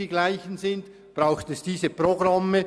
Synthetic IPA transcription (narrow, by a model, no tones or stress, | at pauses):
iːɡlaɪçən̩zɪnd | b̥ʁaʊxtɛsd̥iːzəpʁoɡʁɑmːə